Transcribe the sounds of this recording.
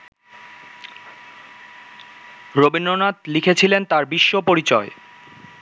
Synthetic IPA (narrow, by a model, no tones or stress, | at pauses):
ɾobinɖonat̪likʰet͡ɕʰilent̪aɾbiʃːopoɾit͡ɕɔe